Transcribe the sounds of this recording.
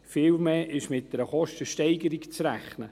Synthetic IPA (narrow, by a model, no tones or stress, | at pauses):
fɪːlmeːʔɪʃmɪt̚d̥ɛɾəχɔʃtəʃtɛɪɡəɾikt͡sræχnə